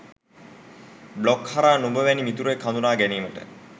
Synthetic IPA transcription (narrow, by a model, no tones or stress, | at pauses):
blokhaɾaːnubəʋɛnimit̪uɾekʰːand̪unaːɡæniːməʈə̰